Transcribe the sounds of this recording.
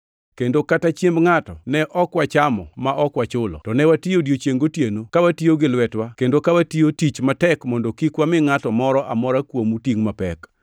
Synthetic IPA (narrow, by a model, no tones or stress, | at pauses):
kendokatat͡ʃjembŋatɔnɛʔɔkwat͡ʃamɔ̰maʔɔkwat͡ʃʊlɔ̰tɔnɛwatiodjot͡ʃjeŋɡotjenokawatioɡɪlwɛtwakendokawatiotit͡ʃmatɛkmɔndɔkikwamɪŋatɔmɔɾɔʔamɔɾakwomutiŋmapɛ̰k